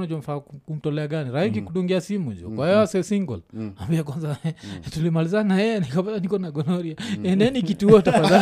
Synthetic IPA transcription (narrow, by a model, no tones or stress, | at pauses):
nad͡ʒɔmfakum̩tɔlɛaɡaniɾaik̬ikuɗuŋɡiasimud͡ʒɔ̰kwahɛjɔasɛsiŋɡɔ̰lwa̰mbiakwanzatulimalizanaɛnikapazanikɔnaɡɔnɔɾiaɛndɛnikituɔtaaza